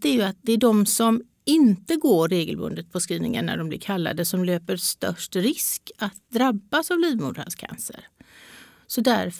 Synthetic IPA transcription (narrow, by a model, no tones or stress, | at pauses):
t̪æɾjɵat̪̚d̪ɛæɖɔmsɔm | ɪnt̪əɡoːeːɡəlbɵ̰nd̪ət̪̚pʰɔskɾiːnɪ̰ŋə̰nːæ̰ɖɔmblɪ̰ɾkʰalːa̰d̪əsɔmløːpəɾst̪œ̰ʂʈɾɪskat̪̚d̪ɾabːasavliːvmṵːd̪ɾa̰nskʰa̰nsə̰ɾ | sɔd̪æ̰ɾf